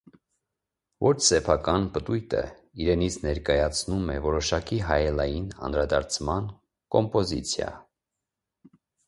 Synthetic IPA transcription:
vɔt͡ʃʰsɛpʰɑkɑnpət̪ujt̪ʰə̰ | iɾɛnit͡sʰnɛɾkɑjɑt͡sʰnumɛvɔɾɔʃɑkiɦɑjɛlɑjinɑ̰nɾɑd̪ɑɾt͡sʰmɑn | kɔmpɔzḭt͡sʰjɑ̰

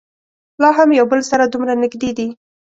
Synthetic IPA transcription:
lɑɦamjawbəlsaɾad̪umɾanɪɡd̪ed̪i

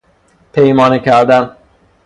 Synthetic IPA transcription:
pʰejmɒːnecʰæɾd̪æn

